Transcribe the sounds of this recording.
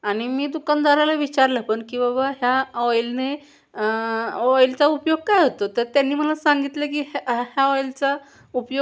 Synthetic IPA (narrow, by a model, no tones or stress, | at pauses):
aɽ̃imiːd̪ukand̪ʱaɾalaʋit͡ɕaɾləpəɳkĩw̃ʋabaɦjaɔjlne | əɔjlt͡saupjoɡ̚kajɦot̪ot̪əɾt̪janːiːm̤əlasaŋɡit̪ləkiːɦɦjaɔjlt͡sa | upjo